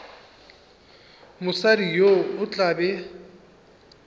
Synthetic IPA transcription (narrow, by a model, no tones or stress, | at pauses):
mʊsaɾijoʊt͡ɬʼabɛ